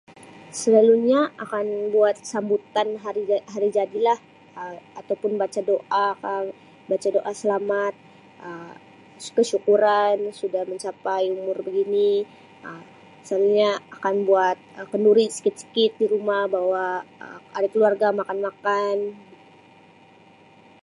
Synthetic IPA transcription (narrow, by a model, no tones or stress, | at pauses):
səlaluɲaakanbuat̪̚sambut̪anɦaɾiɦaɾid͡ʒadilah | əat̪awpʊnbat͡ʃadoʔakan | bat͡ʃadoʔasəlamat̪̚ | ə | kəʃukuɾansudahməɲt͡ʃapajumʊrbəɡini | ə | saluɲaakanbuat̪̚əkənduɾisə̥kɪt̪̚sə̥kɪt̪̚diɾumahbawaə̰aɾakəluarɡamakanmakan